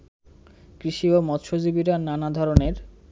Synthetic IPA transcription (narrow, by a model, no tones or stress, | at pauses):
kɾiʃiomɔt̪ʃod͡ʑibiɾananad̪ʱɔɾoneɾ